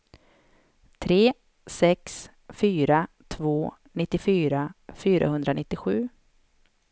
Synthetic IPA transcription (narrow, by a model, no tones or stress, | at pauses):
t̪ʰɾeː | sɛks | fyːɾat̪ʰvoː | nɪt̪ːɪfyːɾafyːɾa̰hɵnd̪ɾanɪt̪ːɪɧʉ̟̰ː